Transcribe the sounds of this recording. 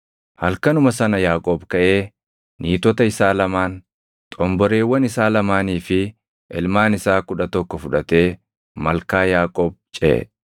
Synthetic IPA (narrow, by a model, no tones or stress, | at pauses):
hɐlkɐnʊmɐsɐnɐjaːkʼoːbkɐʔe̞ː | niːt̪ɔt̪ɐɪsaːlɐmaːn | t̪ʼɔmbɔɾe̞ːwːɐnɪsaːlɐmaːniːfɪ | ʔɪlmaːnɪsaːkʊᶑɐt̪ɔkːɔfʊᶑɐt̪e̞ː | mɐlkaːjaːkʼoːb̚t͡ʃʼɛ̰